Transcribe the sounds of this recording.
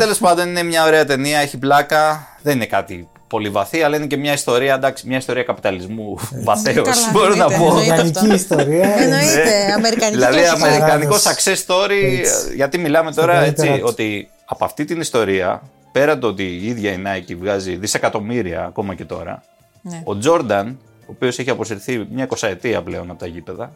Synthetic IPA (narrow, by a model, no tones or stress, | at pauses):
t̪ele̞spɐnd̪o̞nine̞mɲɐo̞ɾe̞ɐt̪e̞niɐeçiplɐkɐðe̞nine̞kɐt̪i | po̞livɐθiɐlɐine̞ce̞mɲɐist̪o̞ɾiɐd̪ɐksimɲɐist̪o̞ɾiɐkɐpit̪ɐlizmuvɐθeosbo̞ɾonɐponiist̪oɾiɐneɐmeɾiðilɐðiɐme̞ɾikɐniko̞sɐkse̞st̪o̞ɾiʝɐt̪imilɐme̞t̪o̞ɾɐet͡sio̞t̪i | ɐpoɐft̪it̪inist̪o̞ɾiɐ̰ | pe̞ɾɐt̪ot̪iiðʝɐinɐcivɣɐziðise̞kɐt̪o̞miɾiɐ̰ːko̞mɐce̞t̪o̞ɾɐ̰ | o̞d͡zo̞ɾd̪ɐn | o̞ːpio̞seçiɐpo̞siɾθimɲɐiko̞sɐet̪iɐ̰ple̞̰o̞nɐpot̪ɐcipe̞ðɐ